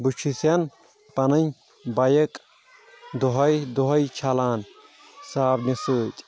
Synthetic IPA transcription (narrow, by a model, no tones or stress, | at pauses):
but͡ʃʰisɐn | pɐnɐnʲ | bɐjɐkʼ | d̪oɦɐjd̪uɦɐjt͡ʃʰɐlaːn | saːbnɐsɨːt̪ʲʼ